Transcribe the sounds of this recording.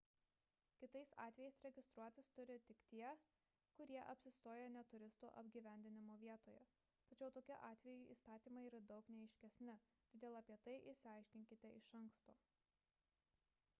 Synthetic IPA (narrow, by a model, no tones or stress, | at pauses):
kʲɪt̪ɐɪsɑ̰ːt̪ʲʋʲɛjɛɪsɾʲɛɡʲɪst̪ɾuɔt̪ʲɪst̪ʊɾʲɪt̪ʲɪkt̪ʲiɛ | kʊɾʲiɛʔɐpʲsʲɪst̪oːjɛnʲɛt̪ʊɾʲɪst̪o̰ːʔɐ̰bʲɡʲiːʋʲæˑnʲd̪ʲɪnʲɪmoːʋʲiɛt̪oːjɛ | t̪ɐt͡ʃʲɛʊt̪oːkʲʊʔɑːt̪ʲʋʲɛjuḭːst̪ɑːt̪ʲiːmɐɪiːɾɐd̪ɒʊknʲɛɛɪʃʲkʲɛsʲnʲɪt̪ːd̪ʲeːlˠɐpʲiɛt̪ɐɪʔɪʃsʲɪɑˑɪʃʲkʲɪŋʲkʲɪt̪ʲɛɪʃɐŋkst̪oː